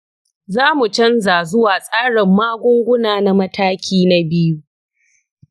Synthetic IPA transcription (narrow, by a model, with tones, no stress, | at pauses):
zaː˦mu˨t͡ʃɐ˦nzaː˨zʊ˦waː˨sʼaː˦ɽɪ˨mːaː˦ɡʷʊ˦ŋɡʷʊ˦naː˨na˦mɐ˦taː˦kʲʰiː˦na˦bɪ˦ju˦